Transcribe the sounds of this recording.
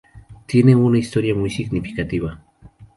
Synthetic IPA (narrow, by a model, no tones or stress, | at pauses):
t̪ieneŋʊnaist̪oɾjamʊjʃiknipi̥kat̪iwa